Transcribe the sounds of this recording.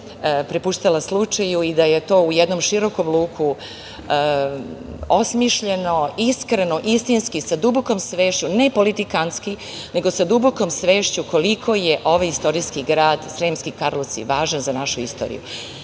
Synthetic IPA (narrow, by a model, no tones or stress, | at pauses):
pɾepuʃt̪alaslˠut͡ʂajuid̪aje̞t̪o̞ːujed̪nomʃiɾo̞komlˠuːkʰu | osmiʃʎe̞no̞iskɾenoʔist̪inskisad̪uboko̞msʋe̞ːʃt͡ɕune̞po̞lit̪ikanski | ne̞ɡo̞sad̪ubokomsʋeːʃt͡ɕuko̞likʰo̞jeʔo̞ʋajist̪o̞ɾijskiɡɾaːd̪sɾemskikaɾlosḭʋaːʒanzanaʃuist̪oːɾḭjṵ